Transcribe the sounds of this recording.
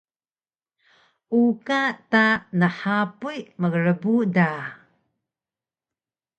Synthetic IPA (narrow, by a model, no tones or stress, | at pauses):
ukatanəħapujməɡəɾəbuda